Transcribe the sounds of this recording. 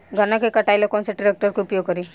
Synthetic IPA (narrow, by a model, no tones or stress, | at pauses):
ɡʱəɾnakekəʈajləkɔnseʈ̚ɖiɾek̚ʈəɾkiupjoɡ̚kəɾi